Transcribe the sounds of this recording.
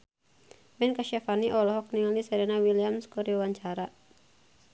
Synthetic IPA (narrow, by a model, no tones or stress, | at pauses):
bɛnkaʃafaniʔɔlɔɦɔk̚nialisɛɾɛnawiliamskuɾiawaɲt͡ʃaɾa